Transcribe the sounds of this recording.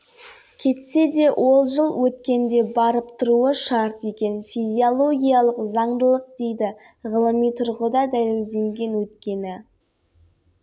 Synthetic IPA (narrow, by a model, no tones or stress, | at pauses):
kʲʰe̞t̪se̞d̪e̞wʔo̞lˠʒəlˠwɵt̪kʲe̞nd̪e̞bɑɾəpt̪ʰʊɾuəʃɑɾt̪e̞kʲe̞nfʲizʲiolˠo̞ɡʲijalˠəqzɑɴd̪əlˠəq̚d̪e̞jd̪ɪ | ʁəlˠəmijt̪ʰʊɾʁəd̪ɑd̪æle̞ld̪e̞ŋɡʲe̞nwɵt̪kʲe̞nɪ